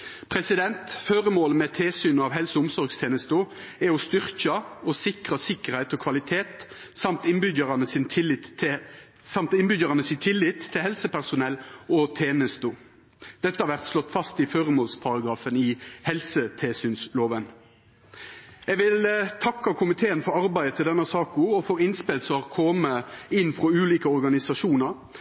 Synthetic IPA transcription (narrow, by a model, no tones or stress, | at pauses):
pʰʁɛsɪd̪ɛnt̪føʁəmoːləmɛt̪ʰeːsyːnɑʋɦɛlsəʊmsɔɾɡst̪ʰeːnəst̪ʊ | æɔst̪ʏʁkɑɔsɪkʁɑsɪkːəʁhæɪt̪ɔːkʰʋɑlɪt̪ʰeːt̪ | sɑmt̪ɪnbʏd̪əʁɑnəsɪnʰɪlɪt̪ | sɑmt̪ɪnbʏd̪jəʁɑnəsɪt̪ʰɪlːɪt̪ʰːɪlhɛlsəpæʁsʊnɛlːɔt̪ʰeːnəst̪u | d̪̥ɛt̪ːəhɑɾʋæʁt̪slɔt̪ːfɑst̪ɪføɾəmoːlspʰɑɾɑɡʁɑːfənɪhɛlsət̪ʰeːsyːnsloːʋən | ɛɡʋɪlt̪ʰɑkːɑkʰʊmɪt̪ʰeːənfɔɾɑɾbæɪət̪ʰɪld̪ɛnːɑsɑːkʊɔfɔɾɪnspelsɔɑʁkʰɔməɪnːfʁɔʉːliːkəɔɾɡɑnɪsɑʃuːnɑɾ